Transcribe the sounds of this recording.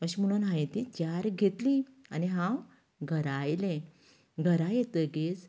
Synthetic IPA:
əɕimuɽ̃anɦãjẽt̪it͡ɕjaɾɡʱet̪lianiɦãw | ɡʱəɾajlẽ | ɡʱəɾajet̪əɡes

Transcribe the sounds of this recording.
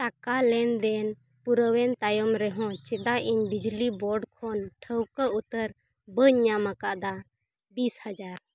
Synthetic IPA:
ʈakalɛnd̪ɛn | puɾəwɛnt̪ajɔmɾɛɦɔ̃t͡ʃɛd̪aʔiɲbid͡ʒlibɔɖkʰɔnʈʰəwkəut̪əɾ | bəɲamakaʔd̪a | bishad͡ʒaɾ

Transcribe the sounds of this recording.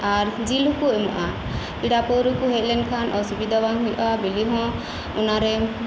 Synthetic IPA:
aɾd͡ʒilɦukuɛmɔ̰ʔa | k̪iɽapɔwɾukuɦɛc̚ˀlɛnkʰanʔɔsubid̪abaŋɦujʔabiliɦɔ̃ | unaɾɛ

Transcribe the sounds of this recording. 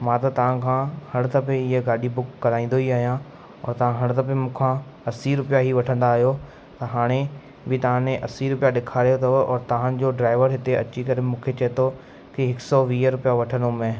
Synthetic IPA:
mãːt̪ɐt̪ɐʋ̤ãkʰãːhɐɽ̃t̪ʰɐpẽɪɦeɡaːɗibʊkːɐɾaːĩːn̆d̪oiaːɦijã | ɔ̰ːɾt̪ɐʋ̤ãɦɐɽ̃t̪ʰɐpẽmũːkʰã | ɐsiɾʊpjaɦiʋɐʈʰə̃nd̪aːɦijo | t̪ɐɦaːɽ̃e | bɪt̪ɐʋ̤ãnẽʔɐsiɾʊpijaɗɪkʰaːɾijot̪ʰɐɔːɾt̪ɐʋ̤ãd͡ʑoɖɾaːɪʋəɾɦɪt̪eɐ̰t͡ɕikɐɾɪmũːkʰet͡ɕɐɦet̪ʰo | kɪɦɪksɔʋiːɦəɾʊpijaʋɐʈʰənomẽ

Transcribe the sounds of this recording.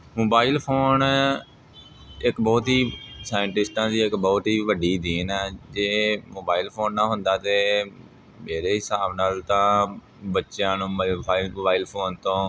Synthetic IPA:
moːbaːilpʰoːn | ɪkbɔːt̪ɦiːsaːjəɳʈɪsʈãːd̪iːɪkbɔːt̪ɦiːʋəɖiːd̪iːnɛːd͡ʒeːmoːbaːilpʰoːnːãːɦʊ̃nd̪aːt̪eː | meːɾeːɦɪsaːbnaːlt̪ãː | bətːʃjãːnũːbaːɪlmoːbaːiːlpʰoːnt̪õː

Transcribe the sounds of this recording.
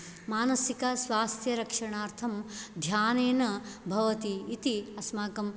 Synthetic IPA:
maːnɐsikɐsʋaːst̪ʰjɐɾɐkʂɐɳaːɾt̪ʰɐmd̪ʱjaːneːnɐbʱɐʋɐt̪iːt̪iɐsmaːkɐm

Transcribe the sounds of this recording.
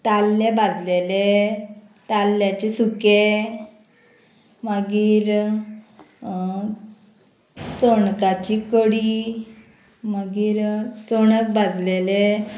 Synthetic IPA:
t̪alːebad͡zlele | t̪alːjat͡ɕesuke | məɡiːɾ | t͡soɳkat͡ɕikəɽi | məɡiːɾt͡soɽ̃ək̚bad͡zlele

